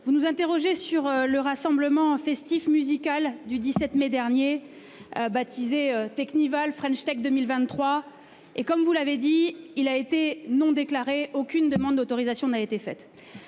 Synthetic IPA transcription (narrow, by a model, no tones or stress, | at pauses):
vunuzɛ̃t̪eʁɔʒesyʁləʁasɑ̃bləmɑ̃fɛst̪ifmyzikald̪yd̪isɛt̪mɛd̪ɛʁnje | øbat̪ʰizeøt̪ɛknivalfχɛ̃nʃt̪ɛk̚d̪əmilvɛ̃t̪ːχwa | ekɔmvulaved̪iilaet̪enɔ̃d̪eklaʁeokʲynd̪əmɑ̃d̪̚d̪ot̪ɔʁizasjɔ̃naet̪efɛt̪